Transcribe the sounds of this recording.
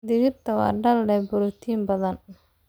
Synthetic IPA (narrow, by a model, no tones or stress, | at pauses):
d̪ɪɣɪrt̪ʰɐwɑ̰ːɖɐlːɛbʊɾʊt̪ʰiːmbɐðɐn